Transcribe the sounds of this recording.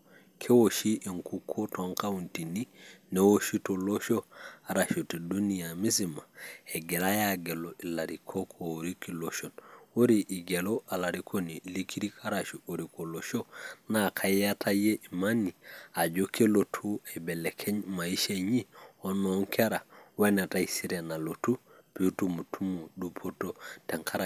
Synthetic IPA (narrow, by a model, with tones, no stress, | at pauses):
kʰe˦woʃi˦ʔi˨ŋkukʰːo˦toŋka˦unti˨ninewo˦ʃi˦tolo˦ʃo˦a˨ɾaʃu˨ti˨du˦nijami˦sima˨e˨ɡe˨ɾa˦jaɡe˨loʔi˨la˨ɾikʰo˦kʰooɾikiloʃono˦ɾiʔi˨ɡelo˦ʔa˨laɾikʰo˦ni˨li˦kʰi˦ɾi˦kʰa˦ɾaʃu˨o˨ɾi˨ko˨loʃo˦na˦kʰa˦ja˦tʰa˦je˦ʔi˨ma˦ni˨a˨ɟo˦kʰe˦lo˨tʰu˦e˨be˨lɛ˨kʰe˦ɲma˨i˦ʃe˦ɲi˦o˦noŋkʰe˦ɾa˨we˦ne˨ta˦isi˦ɾena˨lo˨tu˦ | pi˨u˦tu˦mu˨tʰu˦mu˨du˦pʰo˦tote˨ŋkʰa˦ɾa˨